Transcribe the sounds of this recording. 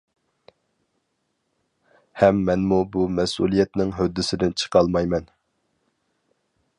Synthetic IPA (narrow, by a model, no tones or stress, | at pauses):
hɛmːɛnmubumɛsṵlˠijɛt̪nɪŋɦød̪ːɪsɪd̪ɪnt͡ʃʰə̥qʰɑlˠmɑjmɛn